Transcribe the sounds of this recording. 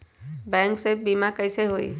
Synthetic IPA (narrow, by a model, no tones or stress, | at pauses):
bɛ̃ːŋksebiːmakəɪseɦoḭː